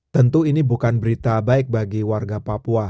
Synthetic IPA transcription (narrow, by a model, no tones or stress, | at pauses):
t̪ənt̪uinibukanbəɾit̪abaɪk̚baɡiwarɡapapua